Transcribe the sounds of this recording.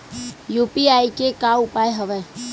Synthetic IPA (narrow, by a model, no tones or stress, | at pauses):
jupiaikekaʊpaːeɦəʋɛ